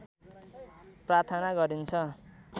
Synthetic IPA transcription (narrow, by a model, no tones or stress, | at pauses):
prart̪ʰʌnaɡʌɾint͡sʰʌ